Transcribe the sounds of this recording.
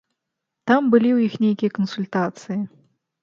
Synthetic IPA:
t̪ambɨlʲiwjixnʲejkʲijɐkɐnsulʲt̪at̪sɨji

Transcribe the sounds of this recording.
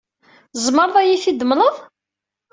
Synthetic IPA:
zˤməɾˤðˤæjifid̪əmələðˤ

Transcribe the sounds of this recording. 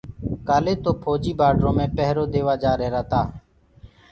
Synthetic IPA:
kaːleːt̪oːpʰoːd͡ʒiːbaːɖɾõːmẽːpɛɦɾoːd̪eːʋaːd͡ʒaːɾeːɾaːt̪aː

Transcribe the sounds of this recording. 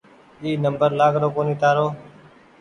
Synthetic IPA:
iːnəmbəɾlaːɡɾoːkoːniːt̪aːɾoː

